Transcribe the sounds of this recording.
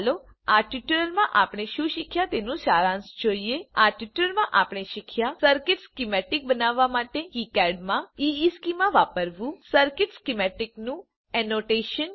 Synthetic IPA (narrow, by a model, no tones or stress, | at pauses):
lo | aʈiʈuɾəlmãʔapɽ̃eʃũʃikʰjat̪enũʃaɾãnsd͡ʒoieaʈiʈuləlmãʔapɽ̃eʃikʰjasəɾkɪʈskimɛʈɪk̚bənaʋːamaʈekikɛɖmãiiskimãʋapəɾʋũsəɾkɪʈskimɛʈɪknũ | ɛnoʈeʃən